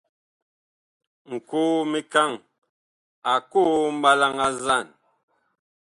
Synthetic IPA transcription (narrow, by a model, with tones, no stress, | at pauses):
ŋ̩˨kuː˦mi˦ka˦˨ŋ | a˨ku˦m̩˦ba˦la˦ŋa˦za˦˨n